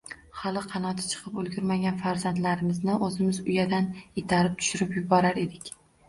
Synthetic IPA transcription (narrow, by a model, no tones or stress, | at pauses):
χɒlˠɪqʰɑnɒt̪ʰɪ̥t͡ʃʰɨ̥qʰɨpolˠɡʲʊɾmaɡʲanfaɾzant̪laɾɪmɪznɪʔɵzɪmɪzʊjad̪anet̪ʰaɾɪp̚t̪ʰʊ̥ʃʊɾɪpjʊbɒɾaɾe̞d̪ɪkʲ